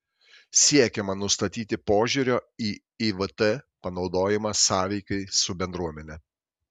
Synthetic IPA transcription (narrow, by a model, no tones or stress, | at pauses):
sʲiɛkʲɛmɐnʊst̪ɐt̪ʲiːt̪ʲɪpoːʒʲʊɾʲoːiː | iʋət̪ɛpɐnɒʊd̪oːjɪmɐsɑːʋʲɛɪkɐɪsʊbʲɛnd̪ɾuɔmʲɛnʲɛ